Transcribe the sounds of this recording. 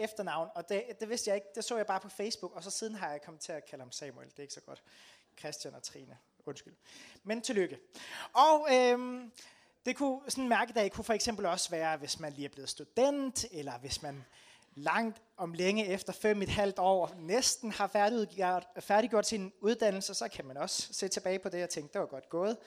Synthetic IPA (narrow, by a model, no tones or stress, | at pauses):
efd̥ɐnɑ̈ʊ̰n̩ɒ̽d̥ed̥e̝ʋe̝sd̥jɑ̈ɪe̝ɡ̥̚d̥e̝sɔ̰ːjɑ̈ɪbɑ̈ːpʰɒ̽feɪsb̥uɡ̥ɒ̽sɒ̽sið̞ˠn̩ɦɑ̈jɑ̈ɪkʰɒ̽m̩ˠt͡sʰe̝ækʰæləhɑ̈msɛmueld̥e̝e̝ɡ̥sɒ̽ɡ̥ɒ̽d̥ | kʰʁɛsd̥jænɒt͡sʰʁḭːnə | ɔ̽nsɡ̥ylment͡sʰe̝løɡ̥əɒ̽ʊøm | d̥e̝kʰusɒ̽nn̩mæɐɡ̥əd̥ɛɪkʰufɒ̽eɡ̥sem̰b̥l̩ɒ̽sʋæːɐʋe̝smænliːæɐb̥le̝ð̩ˠsd̥ud̥en̰d̥elɐʋe̝smæn | lɑ̈ŋ̰d̥ | ɒ̽mleŋəefd̥ɐfem̰e̝d̥hæl̰d̥ɒ̰ːɒnesd̥n̩hɑ̈fæɐ̥ | fæɐɾiɡ̥jo̝ɐ̰d̥sinuð̞ˠd̥æn̰l̩səsɒ̽kʰæmænɒ̽sse̝̰ːt͡sʰe̝b̥ɛːɪpʰɒ̽d̥e̝ɒt͡sʰeŋ̰ɡ̥̚d̥e̝ʋɑ̈ɡ̥ɒ̽d̥ɡ̥ɔ̽ːð̞̩ˠ